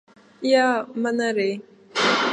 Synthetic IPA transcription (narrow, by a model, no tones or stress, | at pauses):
iamanaɾe